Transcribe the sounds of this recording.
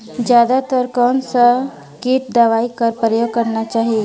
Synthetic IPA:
d͡ʒjaːd̪at̪əɾkɔːnsa | keːʈ̚d̪aːʋaːikəɾpɾəjoːɡ̚kɐɾnat͡ʃaːɦie

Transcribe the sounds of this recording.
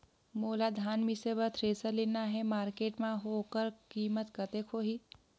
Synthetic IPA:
moːlad̪ʱaːnmisebət̪ʰɾeːsəlinaɦɛmaːɾkeːʈmãɦoːkəɾkiːmət̪kət̪ekʰoːɦiː

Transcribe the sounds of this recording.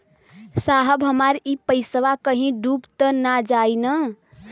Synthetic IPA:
saɦəbɦəmaɾipəɪsʋakəɦĩɖubt̪ənad͡ʒainə

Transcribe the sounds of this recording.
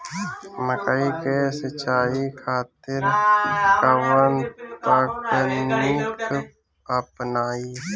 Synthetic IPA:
məkaikesət͡ʃaːikʰaːt̪ɪɾkawant̪aːkʈənnik | əpnaːiː

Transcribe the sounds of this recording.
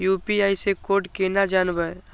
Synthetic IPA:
juːpiaisekoːʈkenad͡ʒaːnbə

